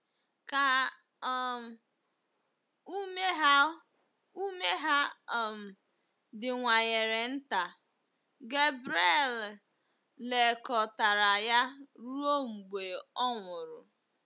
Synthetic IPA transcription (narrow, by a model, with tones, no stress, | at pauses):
ka˨ | u˦me˦ɦa˦ | u˦me˦ɦa˦ɔ˨m̩˨ | dɪ˨ŋʷa˨ɲe˨ɾe˨n̩˦ta˨ | ɡe˦bɾe˦l | le˨kɔ˨ta˨ɾa˨ja˦ɾu˦o˦ŋ͡m̩˨ɡ͡be˨ɔ˦ŋʷʊ˨ɾʊ̰˨